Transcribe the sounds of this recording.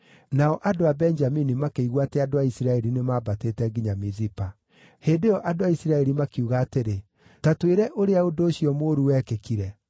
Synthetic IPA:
naɔʔadoabɛɲd͡ʒaminimakeiɣwatɛadoaisiɾaɛɾinemaːbateːtɛɡiɲamizipa | heːndeɔʔadoaisiɾaɛɾimakiuɣaːteɾe | tatweɾɛʔoɾeaodoːɕiɔmoːɾuwɛːkekiɾɛ

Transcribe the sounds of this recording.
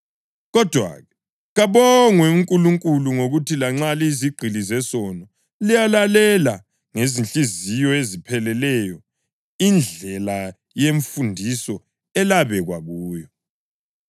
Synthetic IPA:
ɣɔd̥ʱwa̰ɣɛ | ɣaβɔŋwɛuŋkʼuluŋkʼuluŋoɣutʰilaŋ͡ǁaliziɡ͡ǀʱilizɛsɔnɔ | lijalalɛla | ŋezinɬʼizijɔezipʰɛlɛlɛjɔ | ind͡ɮʱɛla | jeɱfundʱisɔ | ɛlaβɛɣwa̰ɣuːjɔ

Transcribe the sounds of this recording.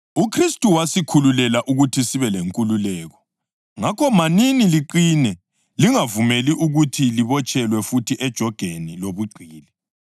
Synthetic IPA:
ukʰristʼuwasikʰululɛlaʔuɣutʰisiβɛleŋkʼululɛːɣɔ | ŋakʰɔmaniniliǃinɛ | liŋavumeliʔuɣutʰiliβɔt͡ʃʼɛlwɛfutʰiʔɛd̥ʒ̥ʱɔɡ̥ʱeniloβuɡ͡ǀʱiːlɛ

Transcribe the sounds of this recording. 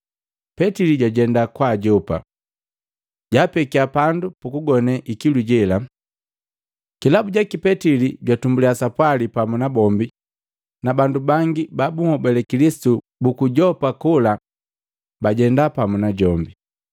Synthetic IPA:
pɛtiliɟaɟɛndakwaːɟɔpa̰ | ɟaːpɛkiapandupukuɡɔnɛʔikiluɟɛla | kilabuɟakipɛtiliɟwatumbuliasapwalipamunabɔmbi | nabandubaŋɡibabuhɔbɛlɛkilisi̥tu | bukuɟɔpakula | baɟɛndapamunaɟɔmbi

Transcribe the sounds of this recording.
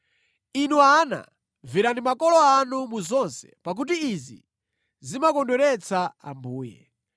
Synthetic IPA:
inuaːna̰ | viɾandimakɔlɔanumuzɔnsɛ̥̰pak̬ut̬iːzḭ | zimakɔndɛɾɛt͡sʰaa̰mbuːjɛ̰

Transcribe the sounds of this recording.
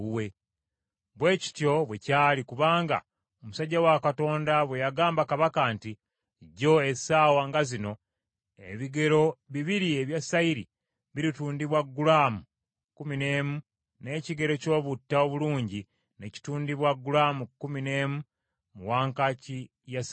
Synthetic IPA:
uwe | βwe̞ːci̥tjo̞βwe̞caːlikuβaːŋɡa̰ | omusaɟːawakato̞ːndaβwe̞jaɡaːmbakaβakanti | ɟo̞e̞saːwaŋɡazino̞ | ḛβiɡe̞ɾo̞βiβiɾieβjasaiɾḭ | βiɾituːndiβwaɡːulaːmu | kumine̞ːmu | ne̞ːciɡe̞ɾo̞co̞ːβutːaoβuluːɲɟi | ne̞ci̥tuːndiβwaɡːulamukumine̞ːmu | muwaːŋkaci | jas

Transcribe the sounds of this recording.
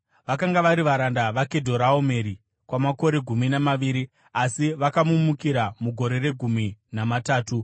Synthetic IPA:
ʋakaŋɡaʋaɾiʋaɾandaʋake̞dʱo̞ɾaome̞ɾi | kwamako̞ɾe̞ɡʱuminamaʋiɾi | asiʋakamumukiɾamuɡʱo̞ɾe̞re̞ɡʱuminamataːtu

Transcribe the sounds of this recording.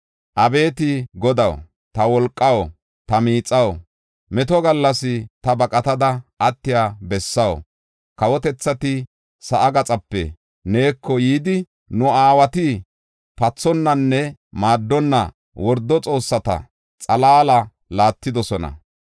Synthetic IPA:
ʔɐbe̞ːt̪ɪɡɔd̪ɐw | t̪ɐwɔlkʼːɐw | t̪ɐmiːt͡sʼɐw | mɛt̪ɔɡɐlːɐsɪt̪ɐbɐkʼɐt̪ɐd̪ɐʔɐt̪ːɪjaːbɛsːɐw | kɐwɔt̪ɛt͡sːɐt̪ɪ | sɐʔɐɡɐt͡sʼɐpːɛ̰ | ne̞ːkʰːɔjiːd̪ɪ | nʊaːwɐt̪ɪ | pɐt͡sːɔnːɐnːɛmaːd̪ːɔnːɐ̰ | wɔɾd̪ːɔt͡sʼo̞ːsːɐt̪ɐ̰ | t͡sʼɐlaːlɐ | laːt̪ːɪd̪ɔsɔnɐ̰

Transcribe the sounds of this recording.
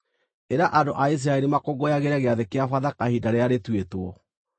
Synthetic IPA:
eɾaʔadoʔais̬iɾaɛɾimakoɡojaɣeɾaɣeaðekeafaðakahidaɾeaɾetwetwɔ

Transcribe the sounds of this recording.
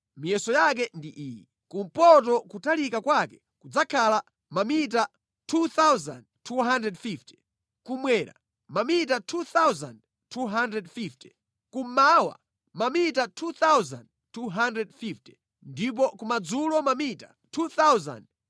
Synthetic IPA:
mijɛsɔjak̬ɛndiʔiːjɛ | kum̩pɔt̬ɔkutalikakwakɛ | kud͡zakʰala | mamita | tʰuθawza̰nd̚tʰuɦandɾɛdfifti̥ | kumwɛːɾa̰ | mamit̬atʰuθawza̰nd | tʰuɦandɾɛdfifti̥ | kum̩mawa̰ | mamitatʰuθawz̰nd | tʰuɦandɾɛdfifti̥ | ndip̬ɔkumad͡zulɔmamita̰ | tʰuθawza̰nd̚

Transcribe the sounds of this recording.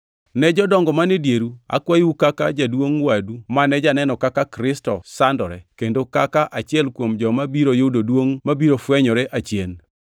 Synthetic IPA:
nɛd͡ʒɔdɔŋɡɔmanedjeɾua̰kwajiwukakad͡ʒadwoŋwadumanɛd͡ʒanɛnɔkakakɾɪstɔsandɔɾɛkendokakaʔat͡ʃɪɛlkwomd͡ʒɔmabiɾojododwoŋmabiɾofwɛɲɔɾɛʔat͡ʃjen

